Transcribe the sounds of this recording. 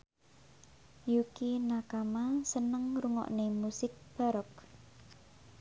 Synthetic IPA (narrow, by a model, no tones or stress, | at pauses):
jukinakamasənəŋɾuŋɔ̰ʔnemusɪk̚b̥a̤ɾɔk